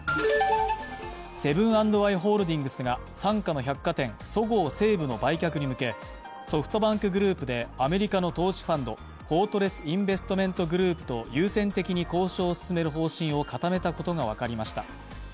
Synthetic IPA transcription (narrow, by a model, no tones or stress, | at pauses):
se̞bɯ̟̃ɰ̃ãnd̪o̞βaiɦo̞ːɾɯ̟d̪ʲĩŋɡɯ̟sɨɡa | sãŋkano̞çakːat̪ẽ̞ŋ̃so̞ɡo̞ːse̞ːbɯ̟no̞baikʲakɯ̟ɲ̟imɯ̟ke̞ | so̞ɸɯ̟̥t̪o̞bãŋkɯ̟ɡɯ̟ɾɯ̟ːpɯ̟d̪e̞ame̞ɾʲikano̞t̪o̞ːɕi̥ɸãnd̪o̞̰ | ho̞ːt̪o̞ɾe̞sɨ̥ĩmbe̞sɨ̥t̪o̞mẽ̞nt̪o̞ɡɯ̟ɾɯ̟ːpɯ̟̥t̪o̞jɯːsẽ̞nt̪e̞kʲiɲ̟iko̞ːɕo̞ːsɨ̥sɨme̞ɾɯ̟ɦo̞ːɕĩɰ̃o̞kat̪ame̞t̪ako̞t̪o̞ɡaβ̞akaɾʲimaɕi̥t̪a̰